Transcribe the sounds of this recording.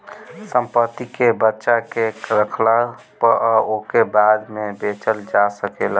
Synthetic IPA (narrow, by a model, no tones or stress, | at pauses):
səmpət̪ːikebətːʃakeɾəkʰla | pəəokebad̪mebet͡ʃəld͡ʒasəkel